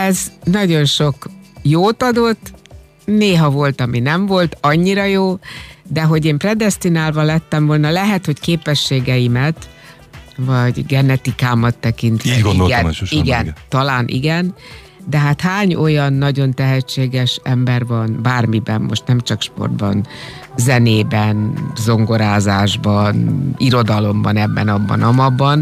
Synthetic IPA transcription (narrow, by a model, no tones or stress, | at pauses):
ɛznɒɟo̞nʃo̞kjoːt̪ɒd̪o̞t̪ː | neːɦɒvo̞lt̪ɒminɛɱvo̞lt̪ɒɲːiɾɒjoːd̪ɛɦo̞ɟeːmprɛd̪ɛst̪inaːlvɒlɛt̪ːɛɱvo̞lnɒlɛɦɛt̪ho̞ckeːpɛʃːeːɡɛjimɛt̪ | vɒɟɡɛnɛt̪ikaːmɒt̪ːɛkint̪ɛɡnd̪oɡɛniɡɛnt̪ɒlaːnʔḭɡɛn | d̪ɛɦaːt̪haːɲo̞jɒnːɒɟo̞nt̪ɛɦɛt͡ʃːeːɡɛʃɛmbɛrvɒnbaːrmibɛmːo̞ʃt̪nɛmt͡ʃɒkʃpo̞̰rd̪bɒ̰n | zɛneːbɛnzo̞ŋɡo̞ɾaːzaːʒbɒniɾo̞d̪ɒlo̞mbɒnɛbːɛ̰nɒbːɒ̰nɒmɒbːɒn